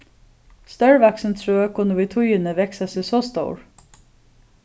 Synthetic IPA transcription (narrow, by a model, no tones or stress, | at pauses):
st̪ɑːɹʋæksən̩t̪ʰɹøːəkʰʊnəʋit̪ʰʊjənəʋɛksɑsiːsɔːst̪o̰ʊɹ